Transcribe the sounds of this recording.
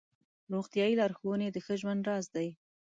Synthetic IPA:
ɾoɣt̪jɑjilɑɾxowəned̪əxəʒwand̪ɾɑzd̪aj

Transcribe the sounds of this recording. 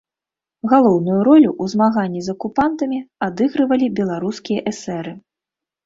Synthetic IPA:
ɣalˠɔwnujuɾɔlʲuʔuzmaɣanʲːizɐkupant̪ɐmʲiad̪ɨɣɾɨvɐlʲibʲɛlˠaɾuskʲijɐʔɛsɛɾɨ

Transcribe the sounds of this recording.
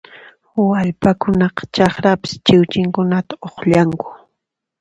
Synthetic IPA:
aʎpakʊnɑqɑ̥t͡ʃɑχɾapɪ̥st͡ʃɪwt͡ʃɪŋkʊnat̪aoχʎaŋkʊ̥

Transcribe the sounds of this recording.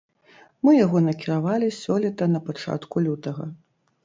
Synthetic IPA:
mɨjaɣɔnɐkʲiɾavalʲisʲɔlʲit̪ɐnɐpat͡ʂa̰t̪kulʲut̪ɐɣɐ̰

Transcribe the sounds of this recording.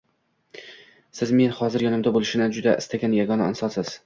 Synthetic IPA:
sɪzme̞nhɒzɪɾjɒnɪmd̪abolɪʃɪnɪd͡ʒʊd̪aʔɪ̰st̪aɡʲanjaɡɒnaɪ̰nsɒsɪz̥

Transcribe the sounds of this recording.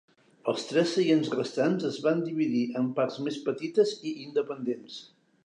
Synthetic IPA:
əlˠst̪ɾɛsːəʒenzrəst̪anzəzβand̪iβiðiʔəmpaɾzmespət̪it̪əziind̪əpənd̪ens

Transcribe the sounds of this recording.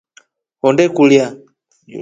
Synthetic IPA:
hɔndɛkulja

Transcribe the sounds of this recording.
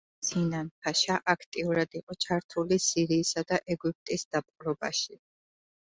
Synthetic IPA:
sinanpʰaʃaʔakʰt̪ʼiuɾad̪iqʼɔt͡ʃʰaɾt̪ʰulisiɾiːsad̪aʔɛɡyp̚t̪ʼisd̪̥ap̚qʼɾɔba̰ʃi

